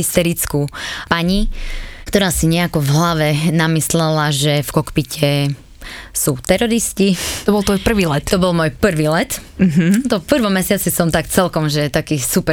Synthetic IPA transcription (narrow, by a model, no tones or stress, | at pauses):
ist̪ɛɾit͡skupaɲikt̪ɔɾaːsiɲɛakɔvɦlaʋɛnamislɛlaʒɛfkɔkpicʰɛ | suːt̪ɛɾɔɾiscit̪ɔbɔlˠt̪ʋɔjpr̩ʋiːlɛt̪t̪ɔbɔlmɔːjpr̩ʋiːlɛt̪̩ɦ̩t̪ɔpr̩ʋɔmːɛsɪat͡sisɔmt̪akt͡sɛlkɔmʒɛt̪akiːsupɛ